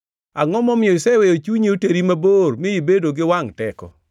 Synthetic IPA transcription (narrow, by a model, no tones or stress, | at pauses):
aŋɔmɔmɪɔɪsɛwejot͡ʃuɲeoteɾimabormɪibedoɡɪwaŋtɛkɔ̰